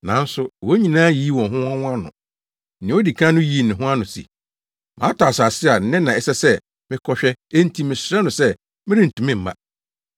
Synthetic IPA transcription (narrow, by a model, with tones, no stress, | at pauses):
nã˨˦n̩˦sʊ˦wo˦ɲĩ˨nãː˦ji˦wɔ̃˨ɦʊ̃˦ã˦w̃a˦nʊ̰̃˨ | nɪ̃˨˦o˦di˨kʰã˦nʊ̃˦ji˨˦˨nɪ̃˨ɦʊ̃˦a˦nʊ̃˨sḭ˨ | mã̰˨˦tʰaː˨sa˨sɪ˦a˨n̩˦nɪ̃˦nã˨ɛ˨sɛ˦sɛ˦ | mɪ̃˦kʰɔ˦ɕᶣɛ˦e˦n̩˦tʰi˦mɪ̃˨sɾɛ˦nʊ̃˨sɛ˦ | mɪ̃˦ɾɪ̃˦n̩˨tʰũ˨mɪ̃˦˨m̩˨mã̰˦